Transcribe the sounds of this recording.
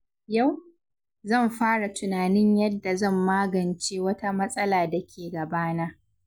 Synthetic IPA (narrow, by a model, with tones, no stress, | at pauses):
ja˦˨w | zɐ˦˨mɸaː˦ɽa˨tʊ˨naː˨nɪ˦ɲjɐ˦dːa˨zɐ˦˨mːaː˦ɡɐ˨nt͡ʃeː˦wɐ˦ta˦mɐ˦sʼɐ˦laː˨da˨kʲʰeː˨ɡɐ˨baː˦naː˦